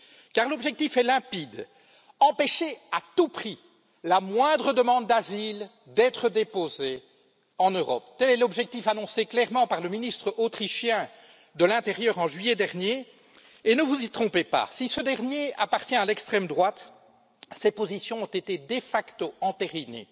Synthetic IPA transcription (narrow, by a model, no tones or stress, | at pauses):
kaʁlɔbʒɛk̚t̪ifɛlɛ̃pid̪ | ɑ̃peʃeat̪upχi | lamwɛ̃d̪ʁəd̪əmɑ̃d̪d̪azil | d̪ɛt̪χəd̪epoze | ɑ̃nøʁɔpt̪ɛlɛlɔbʒɛk̚t̪ifanɔ̃seklɛʁmɑ̃paʁləminist̪χəʔot̪χiʃjɛ̃ | d̪əlɛ̃t̪eʁjœːʁɑ̃ʒɥijɛd̪ɛʁnje | enəvuzit̪χɔ̃pepa̰sisəd̪ɛʁnjeapaʁt̪jɛ̃alɛkst̪χɛmd̪ʁwat̪ | sɛpozisjɔ̃ɔ̃t̪et̪ed̪efakt̪oɑ̃t̪eʁinḛ